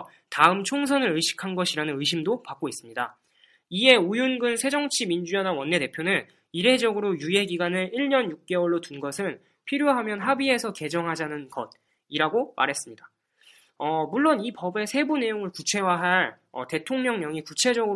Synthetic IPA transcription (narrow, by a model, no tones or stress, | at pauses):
taɯmt͡ɕʰoŋsʰʌnɯɾɯjɕʰi̥kʰanɡʌɕʰiɾanɯnɯiɕʰimdopak͈ois͈ɯmɲida̰ | ie̞ujunɡɯnsʰe̞d͡ʑʌŋt͡ɕʰimind͡ʑujʌnawʌnːe̞te̞pʰjonɯn | iɾe̞d͡ʑʌɡɯɾojuje̞ɡiɡanɯiɭɲʌnjuk̚k͈e̞wʌɭːotunɡʌsʰɯn | pʰiɾjoɦamjʌnɦabie̞sʰʌke̞d͡ʑʌŋɦad͡ʑanɯnɡʌd̚ | iɾaɡomʔa̰ɾɦe̞s͈ɯmɲida | ʌmuɭːonipʌbe̞sʰe̞bune̞joŋɯɭkut͡ɕʰe̞waɦaɭ | ʌ̰te̞tʰoŋɲʌŋɲʌŋikut͡ɕʰe̞d͡ʑʌɡɯ